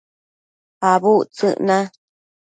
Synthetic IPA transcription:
haβut͡sɨ̰ʔnã

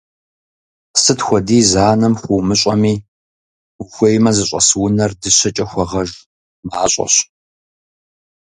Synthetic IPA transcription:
sɨtxʷɔdiːzaːnɐmxʷumɨɕʼɐmiː | uxʷɐjmɐzɨɕʷʼɐsɨwʊnɐrdɨɕɐt͡ʃʼɐxʷɔʁɐʒ | maːɕʷʼɐ̰ɕ

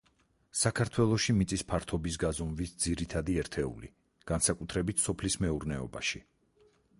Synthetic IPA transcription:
sakʰaɾt̪ʰwɛlˠɔʃimit̪sʼispʰaɾt̪ʰɔbis̬ɡazɔmvisd̪ziɾit̪ʰad̪iɛɾt̪ʰɛṵlḭ | ɡ̥ansakʼut̪ʰɾɛbit̪ʰsɔpʰlismɛuɾnɛɔ̰ba̰ʃi

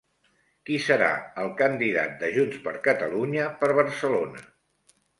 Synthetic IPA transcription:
kisəɾa̰əlˠkənd̪iða̰t̪̚d̪əʒunspəɾkət̪əluɲəpəɾβ̞əɾsəlonə̰

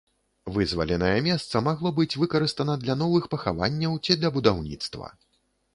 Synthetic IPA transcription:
vɨzvɐ̰lʲɛnɐjɐmʲɛst̪sɐmaɣlˠɔbɨt͡sʲvɨkɐɾɨst̪ɐnɐd̪lʲɐn̪ɔvɨxpɐxa̰va̰nʲːɐwt͡sʲid̪lʲɐbud̪awnʲḭt̪st̪vɐ̰

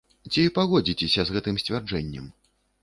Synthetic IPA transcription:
t͡sʲipaɣɔd͡zʲit͡sʲɛsʲɐzɣɛt̪ɨmsʲt͡sʲvʲard͡ʐɛnʲːɛm

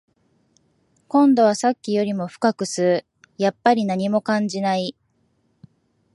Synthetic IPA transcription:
kõ̞nd̪o̞β̞asakʲːijo̞ɾʲimo̞ɸɯ̟̥kakɯ̟sɨɾɯ̟ | japːaɾʲinaɲ̟imo̞kãɲ̟d͡ʑinai

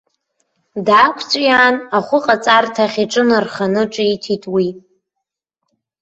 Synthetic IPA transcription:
daːkʷʰt͡sʷʼjaːnaχʷʊqʼat͡sʼartʰaχʲiʈ͡ʂʼɨnɨrχanɨʈ͡ʂʼitʰitʼwi

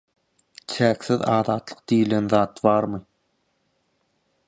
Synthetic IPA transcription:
t͡ʃʰæːkθiðɑːðɑːt̪lˠɯ̥q̚d̪ijlenðɑːt̪βɑːɾmɯ

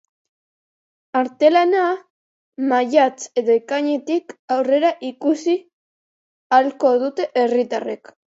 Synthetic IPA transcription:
aɾt̪e̞lana | maʝat͡se̞ðoekaɲe̞t̪ikawre̞ɾaʔikusi | alko̞ð̞ut̪e̞ʔerit̪arek

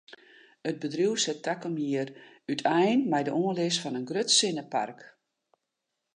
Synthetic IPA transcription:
ət̚bədriwsətakəmiər | ytʰɛjnmɛjdəʔoəlɪsfɔnənɡrøtsɪnəpa̰rk

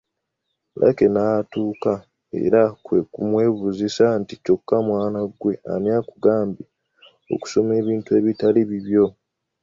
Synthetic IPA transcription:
lʔa̰ke̞natuːka | ḛɾakwe̞kumwe̞ːβuzisantico̞kːamwaːnaɡwe̞a̰njakuɡaːmbi | o̞̰ku̥so̞me̞ːβiːntuwe̞ːβitaliβiβjo̞

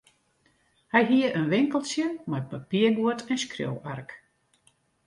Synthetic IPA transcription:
hɛjɦiəʔənʋɪŋkəlˠsjənmaj̚papiəɡuətʰɛnskrjo̰wark

